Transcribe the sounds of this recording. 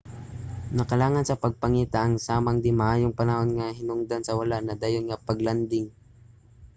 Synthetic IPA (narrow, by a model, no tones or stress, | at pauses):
nɐkɐlaːŋansɐpɐɡ̚pɐŋiːt̪aʔːŋsaːmaŋd̪ɪmɐʔaːjoŋpɐnɐhonŋahɪnʊŋd̪ansɐwalaʔnɐd̪aːjonŋapɐɡland̪ɪŋ